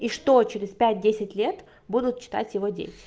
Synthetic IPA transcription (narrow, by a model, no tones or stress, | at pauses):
iʂt̪o̞t͡ɕeɾʲɪspʲæt̚ʲdʲesʲɪtʲlʲe̞t̪ | bud̪ʊt̪̚t͡ɕːɪ̥t̪a̰tʲjɪvo̞dʲḛtʲɪ̥